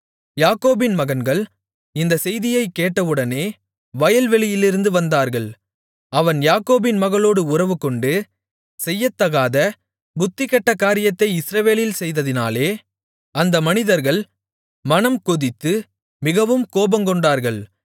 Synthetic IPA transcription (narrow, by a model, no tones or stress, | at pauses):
jaːkoːbɪnmɐɣɐnɡɐɭ | ɪnd̪ɐsɛjðɪjɐɪkːeːʈːɐʋɯɽɐneː | ʋɐjɐlʋɛɭɪjɪlɪɾɯnd̪ɯʋɐnd̪aːɾɣɐɭ | ɐʋɐnjaːkoːbɪnmɐɣɐɭoːɽɯʊrɐʋɯkɔɳɖɯ | sɛjːɐt̪ːɐɣaːðɐ | bʊt̪ːɪkɐʈːɐkːaːɾɪjɐt̪ːɐɪɪsɾɐʋeːlɪlsɛjðɐðɪnaːleː | ɐnd̪ɐmɐnɪðɐɾɣɐɭ | mɐnɐmkɔðɪt̪ːɯ | mɪɣɐʋɯmkoːbɐmkɔɳɖaːɾɣɐɭ